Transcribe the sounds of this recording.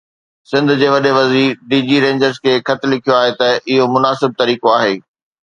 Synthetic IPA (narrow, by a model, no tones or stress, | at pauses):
sɪ̃nd̪ʱd͡ʑeːʋɐɗeʋɐziːɖiːd͡ʑiɾẽːɲd͡ʑəɾzkʰeːxɐt̪lɪkʰijoaːɦet̪ɐʔɪɦomʊnaːsɪb̚t̪ɐɾiːkoaːɦeː